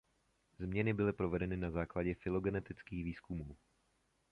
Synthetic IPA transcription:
zmɲɛnɪbɪlɪpɾovɛdɛnɪnazaːklaɟɛfɪlo̞ɡɛnɛt̪ɪt͡skiːxviːskumuː

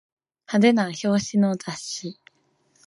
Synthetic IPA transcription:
had̪e̞naço̞ːɕinod͡zaɕi

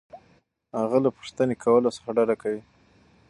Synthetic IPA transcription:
haɣalapə̥ʂt̪ənekʰawəlosə̥xaɖaɖakawi

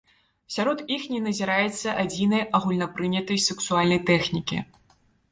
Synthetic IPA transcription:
sʲaɾɔt̪ixnʲɛnɐzʲiɾajɛt̪sːɐʔad͡zʲinɐjaɣulʲnɐpɾɨnʲɐt̪ɐjsɛksualʲnɐjt̪ɛxnʲikʲḭ

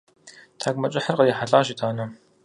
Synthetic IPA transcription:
tʰaːɡʷmɐt͡ʃʼɪħərqəjɛħaɮʼaːʒitʰaːnɐ

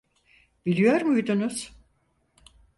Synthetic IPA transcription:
b̥ilʲijo̞ɾmujd̪unuz̥

